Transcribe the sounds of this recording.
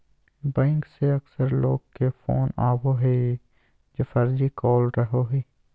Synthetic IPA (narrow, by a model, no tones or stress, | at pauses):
bɛ̃ːŋkseɐksəɾlo̰ːɡ̚kefo̰ːnaːwoɦeː | d͡ʒɐfɐɾd͡ʒikɔːlɾəɦoɦeː